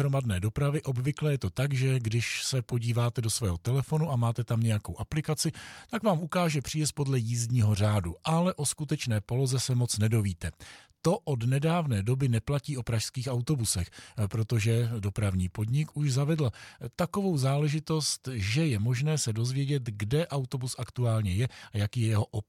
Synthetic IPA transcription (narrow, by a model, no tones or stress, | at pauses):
ɾo̞madnɛːdo̞pɾavɪʔo̞bvɪklɛjɛt̪o̞t̪aɡʒɛɡdɪʃsɛpo̞ɟiːvaːt̪ɛdo̞svɛːɦo̞t̪ɛlɛfo̞nuʔamaːt̪ɛt̪amɲɛjako̞wʔaplɪkat͡sɪt̪akvaːmʔukaːʒɛpr̥ɪjɛst̪̚podlɛjiːzɲiːɦo̞r̝aːduʔalɛʔo̞skut̪ɛt͡ʃnɛːpo̞lo̞zɛsɛmo̞t͡snɛdo̞viːt̪ɛt̪o̞ʔodnɛdaːvnɛːdo̞bɪnɛplaciːʔo̞pɾaʃskiːxawt̪o̞busɛxpɾo̞t̪o̞ʒɛdo̞pɾavɲiːpo̞dɲɪkuʒzavɛdl̩t̪ako̞vo̞wzaːlɛʒɪt̪o̞st̪ʒɛjɛmo̞ʒnɛːsɛdo̞zvjɛɟɛt̪ɡdɛʔawt̪o̞busʔakt̪uaːlɲɛjɛajakiːjɛjɛɦo̞ʔop